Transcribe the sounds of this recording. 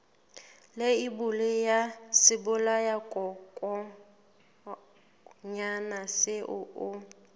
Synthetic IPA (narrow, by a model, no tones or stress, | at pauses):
lɪɪbʊlɪjasɪbʊlajakʼɔkʼɔ | ɲanasɪʔʊʔʊ